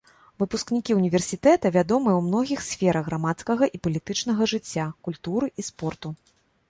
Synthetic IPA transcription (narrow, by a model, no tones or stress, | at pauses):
vɨpusknʲikʲiunʲivʲɛrsʲit̪ɛt̪ɐvʲad̪ɔmɨjɛwmnɔɣʲixsʲfʲɛɾʔɐɣːɾamat̪skɐɣɐʔipɐlʲit̪ɨt͡ʂn̪ɐɣɐʐɨt͡sʲːakulʲt̪uɾɨʔispɔrt̪u